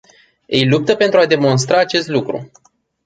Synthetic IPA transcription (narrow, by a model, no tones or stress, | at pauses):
ejlup̚t̪əpent̪ɾuad̪e̞mo̞ns̬t̪ɾaːt͡ʃe̞st̪lukɾṵ